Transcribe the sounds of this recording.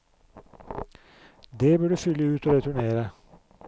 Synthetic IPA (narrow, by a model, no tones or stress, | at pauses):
d̪eːbøːɖʉːfʏləʉːt̪oːɾɛt̪ʰʉɳeːɾə